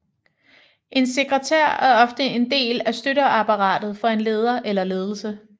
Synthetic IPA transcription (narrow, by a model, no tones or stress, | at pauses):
ʔe̝nse̝ɡ̥ʁɛt͡sʰeɐ̰æɐɒ̽fd̥əe̝nd̥e̝̰ːlæsd̥øɾɐɑpʰɑ̈ʁɑ̰̈ːd̥ð̩ˠfɒ̽e̝nle̝ːð̞ˠɐʔelɐle̝ːð̞ˠl̩sə